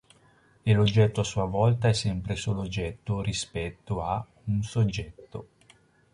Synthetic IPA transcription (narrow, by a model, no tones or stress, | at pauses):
elod͡ʒːɛt̪ːoasːuavɔlt̪aɛsːɛmpɾesoːlod͡ʒːɛt̪ːoɾispɛt̪ːoa | unsod͡ʒːɛt̪ːo